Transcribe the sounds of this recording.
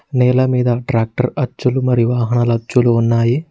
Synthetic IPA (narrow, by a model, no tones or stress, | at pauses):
nɛːlɐmiːd̪ɐʈɾaːk̚ʈɐɾɐt͡ʃːulumɐɾijuʋaːɦɐɳɐlɐt͡ʃːuluunːaːji